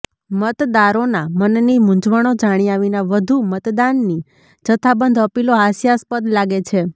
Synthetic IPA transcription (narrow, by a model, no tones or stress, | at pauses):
mət̪d̪aɾonamənnimʊ̃d͡ʒʋəɽ̃od͡ʒaɽ̃iaʋinaʋəd̪ʱumət̪d̪anːi | d͡ʒət̪ʰabənd̪ʱəpiloɦasjaspəd̪laɡet͡ʃʰe